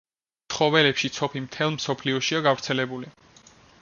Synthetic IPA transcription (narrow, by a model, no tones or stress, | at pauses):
sʰχɔvɛlɛpʃit̪sʰɔpʰimt̪ʰɛlˠmsɔpʰliɔʃiaɡavɾt̪sʰɛlɛbuli